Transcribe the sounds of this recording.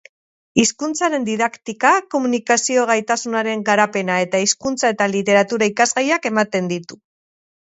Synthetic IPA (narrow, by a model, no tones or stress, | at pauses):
iskunt͡saɾe̞nd̪iðakt̪ikako̞munikasio̞ɣ̞ajt̪asunaɾe̞ŋɡaɾape̞nae̞t̪aiskunt͡sae̞t̪alit̪e̞ɾat̪uɾaikazɣajake̞mat̪e̞nd̪it̪u